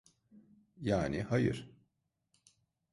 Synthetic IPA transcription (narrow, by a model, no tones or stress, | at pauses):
jaːnihajɯ̰ɾ̥